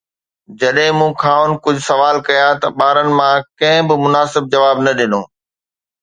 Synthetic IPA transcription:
d͡ʑɐɗɦɪ̃mũːkʰaːʊnkʊd͡ʑʱʊsɐʋaːlkɐjãt̪ɐɓaːɾənɪ̆mãkɐ̃ɦɪ̃bɪmʊnaːsɪb̚d͡ʑɐʋaːbnɐɗɪnõː

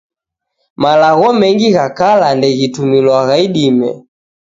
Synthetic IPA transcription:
malaɣɔmɛŋɡiɣakalandɛɣitumilwaɣaiɗimɛ̰

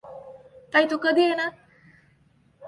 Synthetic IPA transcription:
t̪ait̪ukəd̪ʱiːjena

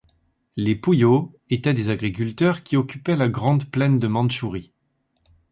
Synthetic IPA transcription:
lepujo | et̪ɛd̪ezaɡʁik̬ʲylt̪œʁkʲiɔkʲypɛlaɡʁɑ̃d̪plɛnd̪əmɑ̃d̪ʃuʁi

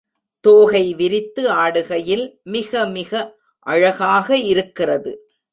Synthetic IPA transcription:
t̪oːɣɐɪʋɪɾɪt̪ːɯaːɽɯɣɐjɪlmɪɣɐmɪɣɐ | ʔɐɻɐɣaːɣɐɪɾɯkːɪrɐðɯ̰

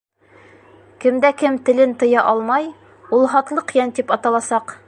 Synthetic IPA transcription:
kɘ̆md̪ækɘmt̪ɘ̆lɘnt̪ɤ̆jɑʔɒlˠmɑj | ulˠɦɒt̪lˠɤqjænt̪ipɒt̪ɑlˠɑsɑq

